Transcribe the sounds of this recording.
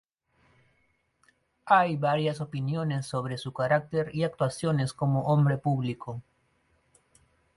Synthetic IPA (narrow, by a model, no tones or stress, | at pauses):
ajβaɾjasopinjonesːoβɾesukaɾak̚t̪eɾiak̚t̪wasjonesko̞moʔõmbɾepuβlikʰo